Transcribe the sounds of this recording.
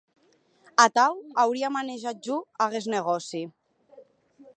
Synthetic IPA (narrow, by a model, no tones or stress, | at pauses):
at̪awawɾiamaneʒat̪̚ʒuaɣezneɣ̞ɔsi